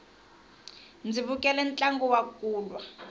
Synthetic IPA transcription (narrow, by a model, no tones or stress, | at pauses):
nd͡ziβukʼɛlɛnt͡ɬʼaŋɡɔwakuːlwa